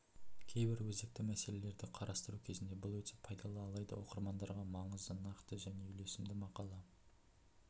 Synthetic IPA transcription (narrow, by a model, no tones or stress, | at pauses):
kʲʰe̞jbɪɾwɵzd̪ek̚t̪ɪmæse̞le̞le̞ɾd̪ɪqʰɑɾɑst̪əɾukʲʰe̞zɪnd̪e̞bʊlˠwɵt̪ɪ̥pʰɑjd̪ɑlˠɑːlˠɑjd̪ə̰wo̞̰qəɾmɑnd̪ɑɾʁɑmɑɴəzd̪ənɑqt̪əʒæne̞ʏle̞sɪmd̪ɪmɑqɑlˠɑ